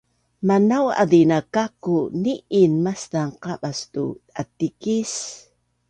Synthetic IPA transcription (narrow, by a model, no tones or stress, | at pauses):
manawa̰dinakakuniʔinmast̪aŋqaɓast̪ṵat̪ikis